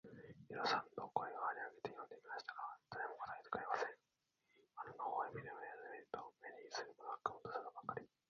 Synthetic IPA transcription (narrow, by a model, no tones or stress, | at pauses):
jiɾosãnd̪okoeoaɾʲiaɡe̞t̪ejõ̞nd̪e̞mʲimaɕi̥t̪ḁkad̪aɾemoko̥t̪ait̪ɨ̥kaemasẽŋ | ananohoimʲid̪emajazmeɾt̪omenʲisɨɾɯmonoakant̪osɨɡabakːaɾʲi